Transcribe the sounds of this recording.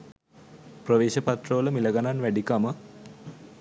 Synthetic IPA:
prəʋeːʃəpat̪rəʋələmiləɡananʋæɖikamə

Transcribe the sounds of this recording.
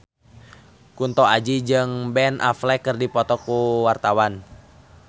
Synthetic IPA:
kunt̪ɔad͡ʒid͡ʒɨŋbɛnʔa̰flɛkərdipɔt̪ɔkuwart̪awan

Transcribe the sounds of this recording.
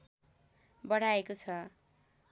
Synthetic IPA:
bʌɽ̤aekot͡sʰʌ

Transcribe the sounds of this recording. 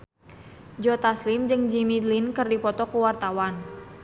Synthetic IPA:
d͡ʒɔt̪aslɪmd͡ʒɨŋd͡ʒimilinkɨrdipɔt̪ɔkuwart̪awan

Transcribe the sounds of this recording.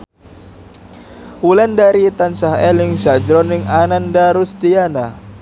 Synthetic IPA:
ulɛndaɾit̪ansaɦɛlɪŋzad͡ʒɾɔnɪŋanandaɾust̪iana

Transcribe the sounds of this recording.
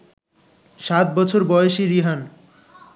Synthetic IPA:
sat̪̚bʌt͡sʰorbʌjesiɾiɦan

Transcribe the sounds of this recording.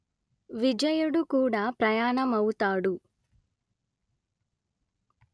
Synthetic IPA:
ʋid͡ʒɐjɐɽukuːɽaːpɾɐjaːɳɐmɐwut̪aːɽu

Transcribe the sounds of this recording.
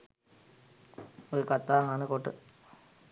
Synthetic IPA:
oɾukɐt̪ːaːŋaːnɨkoʈːɨ̰

